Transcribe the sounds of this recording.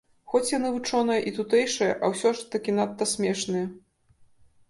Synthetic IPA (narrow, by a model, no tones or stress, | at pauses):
xɔt͡sʲjanɨvɨt͡ʂɔnɐjɐʔit̪ut̪ɛjʂɐjɐʔɐwsʲɔʂt̪ɐkʲinat̪ːɐsʲmʲɛʂnɨjɐ